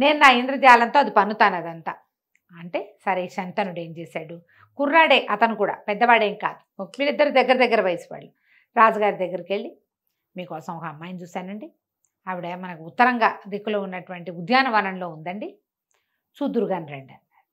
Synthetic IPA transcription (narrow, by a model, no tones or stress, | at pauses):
ne̞ːnunaːind̪ɾɐd͡ʒ̪ijaːlɐnt̪oːɐd̪ipɐnut̪aːnɐd̪ɐnt̪aː | ɐɳʈe̞ːsɐɾeʃɐnt̪ɐnuɽeːmd͡ʒeːsaːɽu | kuɾːaːɽe̞ːʔɐt̪ɐnukuːɽa̰ːpɛd̪ːɐʋaːɽeːŋka̰ːd̪u̥miːɾid̪ːɐɾud̪ɐɡːɐɾɐd̪ɐɡːɐɾɐʋɐjsi̥ʋa̰ːɭːu | ɾaːd͡ʒɐɡaːɾid̪ɐɡːɐɾkeɭːi | miːkɔːsɐmɔkɐɐmːaːjɐnt͡ʃuːsaːnɐɳɖi | ɐʋiɽemɐnɐkuut̪ːɐɾɐŋɡa̰ːd̪ekːulo̞ːunːɐʈuʋɐɳʈiud̪jaːnɐʋɐnɐnlo̞ːund̪ɐɳɖi | t͡ʃuːd̪uɾuɡaːnɾeɳɖɐ